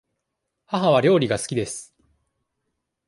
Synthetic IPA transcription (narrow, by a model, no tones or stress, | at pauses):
haɦaβ̞aɾʲo̞ːɾʲiɡasɨ̥kʲid̪e̞sɨ̥